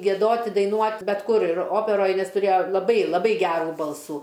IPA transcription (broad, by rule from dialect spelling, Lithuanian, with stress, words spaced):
ɡʲiɛˈdoːtʲ ɪ dɐɪˈnuɔtʲ bʲɛt ˈkʊr ɪr ˈoːpʲɛroːj ˈnʲɛs tʊˈrʲeːjoː lˠɐˈbɐɪ lˠɐˈbɐɪ ˈɡʲæːruː ˈbɐlˠsuː